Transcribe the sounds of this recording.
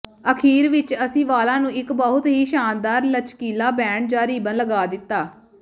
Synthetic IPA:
əkʰiːɾʋɪt͡ʃəsĩːʋaːlãːnũːɪkbəɦʊt̪ɦiːʃaːnd̪aːɾlət͡ʃkiːlaːbɛ̃ːɳɖ̚d͡ʒaːɾiːbənləɡaːd̪ɪt̪ːaː

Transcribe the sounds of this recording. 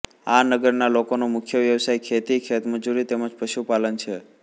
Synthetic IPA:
anəɡəɾnalokonomʊkʰjəʋjəʋsajkʰet̪ikʰet̪məd͡ʒuɾit̪eməd͡ʒpəʃupalənt͡ʃʰe

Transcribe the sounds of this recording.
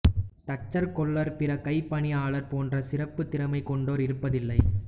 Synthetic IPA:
t̪ɐt͡ʃːɐɾkɔɭːɐɾpɪɾɐkɐɪpːɐɳiaːɭɐɾpoːndrɐsɪrɐpːɯt̪ːɪɾɐmɐɪkːɔɳɖoːɾɪɾɯpːɐðɪlːɐɪ

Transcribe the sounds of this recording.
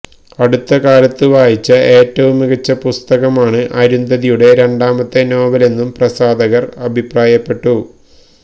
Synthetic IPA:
ɐɽut̪ːɐkaːlɐt̪ːɨʋaːjit͡ɕːɐʔe̞ːtːɐʋumiɣɐt͡ɕːɐpust̪ɐɣɐmaːɳɨʔɐɾund̪ɐðijuɽe̞ɾe̞ɳɖaːmɐt̪ːeno̞ːbɐle̞nːumprɐsaːd̪ɐɣɐrɐbʱipraːjɐpːe̞ʈːu

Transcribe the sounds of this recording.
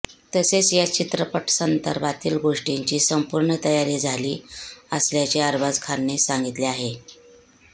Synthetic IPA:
t̪əset͡sjat͡ɕit̪ɾəpəʈsənd̪ə̰ɾbʱat̪iːlɡoʂʈiɲt͡ɕiːsəmpuɾɳət̪əjaɾiːd͡zʱaliːəsljat͡ɕiːaɾbad͡zkʰanːesaŋɡit̪liaɦe

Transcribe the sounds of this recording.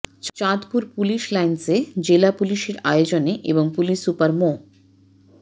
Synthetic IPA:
t͡ɕad̪puɾpuliʃlajnsed͡ʑelapuliʃeɾaeod͡ʑoneʔḛboŋpuliʃupaɾmo

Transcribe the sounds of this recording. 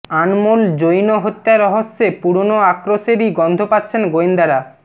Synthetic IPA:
anmuld͡ʑojnoɦot̪ːaɾɔɦosːepuɾonoakɾoʃeɾiɡɔnd̪ʱopatːɕʰenɡoind̪aɾa

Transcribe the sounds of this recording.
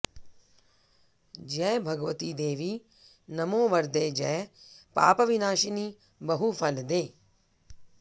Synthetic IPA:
d͡ʒɛːbʱɐɡʋət̪iːd̪eːʋiː | nɐmõːʋəɾd̪eːd͡ʒɛːpa̰ːpəʋɪnaːʃiniː | bɐɦupʰɐld̪eː

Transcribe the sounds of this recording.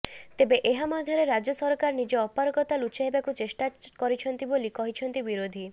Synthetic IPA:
t̪ebeʔeɦamad̪ʱjɔɾeɾad͡ʒɔsɔɾkaɾnid͡ʒeɔpaɾɔkɔt̪alut͡ʃaɦebakut͡ʃesʈakɔɾit͡ʃʰɔnt̪ibolikɔɦit͡ʃʰɔnt̪ibiɾod̪ʱi

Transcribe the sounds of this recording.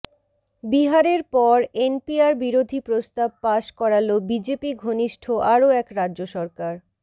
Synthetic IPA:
biɦaɾeɾpɔɾenpiaɾbiɾod̪ʱipɾost̪ab̚paʃkɔɾalobid͡ʑepiɡʱoniʃʈʰoʔaɾoɛkɾadːd͡ʑoʃɔɾkaɾ

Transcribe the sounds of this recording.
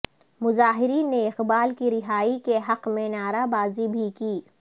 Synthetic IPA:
mʊzaːɦɪɾiːnːeɪqbaːlkiɾɪɦaːikeɦɐqmẽnaːɾabaːzibʱikiː

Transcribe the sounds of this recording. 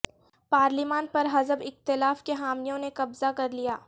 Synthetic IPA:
paːɾlɪmaːnpɐɾɦɐzəbɪxt̪ɪlaːfkeɦaːmijõnekɐbzakɐɾlijaː

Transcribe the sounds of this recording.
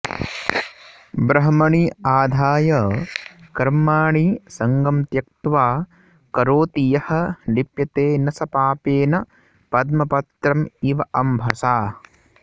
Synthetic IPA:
bɾɐɦɐmɐɳiaːd̪ʱaːjɐːkɐɾmaːɳisɐŋɡɐmt̪jɐk̚t̪ʋaː | kɐɾoːt̪ijɐhɐ̆nipjɐt̪eːnɐsɐpaːpeːnɐ | pɐd̪̚mɐpɐt̪ɾɐmiʋɐʔɐmbʱɐsaː

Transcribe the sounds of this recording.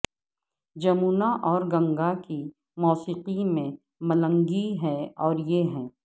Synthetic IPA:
d͡ʒɐmuːnaʔɔːɾɡɐ̃ŋɡaki | mɔːsiːqimẽ | mɐlə̃ŋɡiɦɛɔːɾjeɦɛ̃ː

